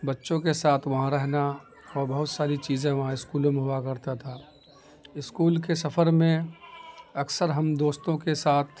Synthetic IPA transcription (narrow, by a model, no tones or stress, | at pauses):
bɐtːʃõkesaːt̪ʰʋɐɦãɾɛɦna | ɔːɾbɐɦʊt̪saːɾit͡ʃiːzẽʋɐɦãɪskuːlõmẽɦʊakɐɾt̪at̪ʰaː | ɪskuːlkesɐfʰəɾmẽ | ɐksəɾɦɐmd̪oːst̪õkesaːt̪ʰ